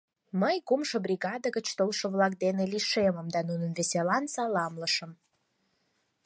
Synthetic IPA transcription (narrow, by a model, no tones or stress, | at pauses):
məjkumʃobrʲiɣɑd̪əɣət͡ɕt̪olʃŏβlɑk̚d̪eneliʃeməmd̪ɑnunənβeselɑnsɑlɑmləʃəm